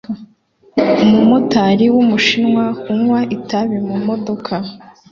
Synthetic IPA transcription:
umumotaɾiwumuʃinŋwahuŋwaʔitaβimumo̞do̞kʰa

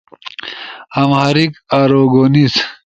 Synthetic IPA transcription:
ɐmhɐɾikaːɾoːɡonis

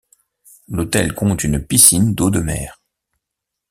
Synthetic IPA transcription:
lot̪ɛlkɔ̃t̪ynpisind̪od̪əmɛ̰ːʁ

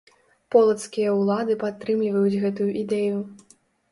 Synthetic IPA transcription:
pɔlˠɐt̪skʲijɐwlˠad̪ɨpat̪ːɾɨmlʲivɐjud͡zʲɣɛt̪ujuʔid̪ɛju

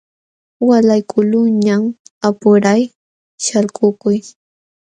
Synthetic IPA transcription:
walajkʊlʊɲamapʊɾaj | ʃalkʊkʊj

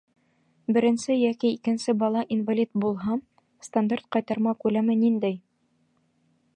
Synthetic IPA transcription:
bɘ̆ɾɘ̆nsɘjækiːkɘ̆nsɘbɑlˠɑʔinvalʲit̪̚bulˠɦɑ | st̪and̪art̪̚qɑjt̪ɑɾmɑkʉlæmɘnind̪æj

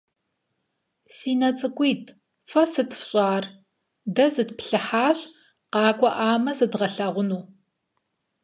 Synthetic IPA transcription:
siːnɐt͡sʼɨkʷʼiːtʰ | fɐsɨtʰfɕʼɑːr | dɐzɨtpʰɬɨħaːɕʼ | qɑːkʷʼɔʔaːmɐzɨdʁɐɬɐʁʷʊnuː

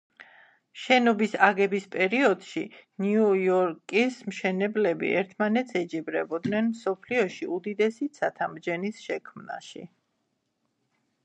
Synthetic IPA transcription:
ʃɛnɔbisaɡɛbispʼɛɾiɔd̪ʃiniujɔɾkʼismʃɛnɛblɛbḭʔɛ̰ɾt̪ʰmanɛt̪sʰɛd͡ʒibɾɛbɔd̪nɛnmsɔpʰliɔʃiud̪id̪ɛsit̪sʰat̪ʰamd͡ʒɛnisʃɛkʰmna̰ʃḭ

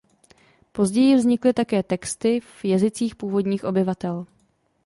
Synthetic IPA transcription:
po̞zɟɛjɪvzɲɪklɪt̪akɛːt̪ɛkst̪ɪvjɛzɪt͡siːxpuːvo̞dɲiːxʔo̞bɪvat̪ɛl

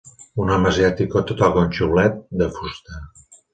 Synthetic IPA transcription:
unɔməziat̪ikot̪ot̪alˠɣonʲt͡ʃuβlɛt̪̚d̪əfust̪a

